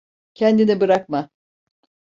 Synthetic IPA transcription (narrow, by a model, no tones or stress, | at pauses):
cʰɛnd̪inibɯɾak̚ma